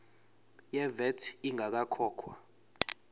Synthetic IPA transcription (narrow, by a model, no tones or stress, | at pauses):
jɛvɛtʰiŋʱak̬akʰɔːkʰwa